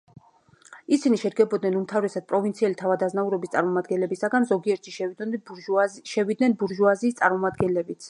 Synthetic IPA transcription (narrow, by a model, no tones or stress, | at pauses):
isiniʃɛd̪ɡɛbɔd̪̚nɛnumt̪ʰavɾɛsad̪̚pʼɾɔvint̪sʰiɛlit̪ʰavad̪aznauɾɔbist̪sʼaɾmɔmad̪̚ɡɛnlɛbisaɡanzɔɡiɛɾt̪ʰi | ʃɛvid̪nɛnbuɾʒuaziːst̪sʼaɾmɔmad̪ɡɛnlɛbit̪sʰ